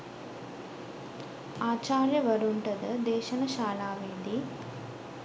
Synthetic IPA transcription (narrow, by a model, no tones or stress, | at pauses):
aːt͡ʃaːɾjɐʋɐɾuɳʈɐd̪ɨd̪ɛːʃɐnɐʃaːlaːʋeːd̪i